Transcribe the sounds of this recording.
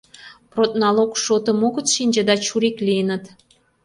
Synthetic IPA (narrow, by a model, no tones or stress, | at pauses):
prot̪̚nɑlokʃot̪ə̆moɣət̪t͡s̪ʃinʲd͡ʑə̆d̪ɑt͡ɕuɾiklʲijənə̆t̪